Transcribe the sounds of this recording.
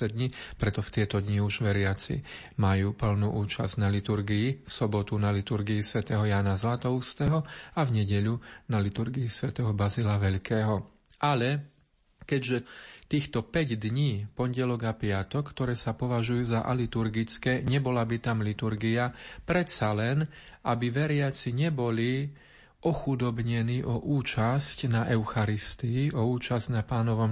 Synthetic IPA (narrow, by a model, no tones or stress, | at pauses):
ɛd̪ɲipɾɛt̪ɔft̪ɪɛt̪ɔd̪ɲiuʒʋɛɾɪat͡sḭ | majuːpl̩nuʔuːt͡ʃaz̥ɟnalit̪uɾɡiifsɔbɔt̪unalit̪uɾɡiisʋɛt̪ɛːɦɔjaːnazlat̪ɔʊst̪ɛːɦɔavɲɛɟɛʎunalit̪uɾɡiisʋɛt̪ɛːɦɔbazilaʋɛʎkɛːɦɔ | ʔalɛ | kɛɟʒɛt̪iːxt̪ɔpɛɟd̪ɲiːpɔɲɟɛlɔɡapɪat̪ɔkːt̪ɔɾɛːsapɔʋaʒujuːzaʔalit̪uɾɡit͡skɛːɲɛbɔlabit̪amlit̪uɾɡiapɾɛt̪t͡salɛnʔabiʋɛɾɪat͡siɲɛbɔli | ʔɔxud̪ɔbɲɛniːʔɔʔuːt͡ʃascnaʔɛʊxaɾist̪iiʔɔuːt͡ʃazɟnapaːnɔʋɔm